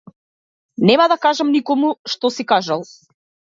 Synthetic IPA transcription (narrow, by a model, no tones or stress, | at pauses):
nɛmad̪akaʒamnikɔmuʃt̪ɔsikaʒalˠ